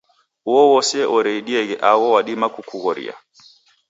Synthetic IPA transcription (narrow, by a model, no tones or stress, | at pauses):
uwɔwɔsɛʔɔɾɛiɗiɛɣɛʔaɣɔwaɗimakukuɣɔɾḭa̰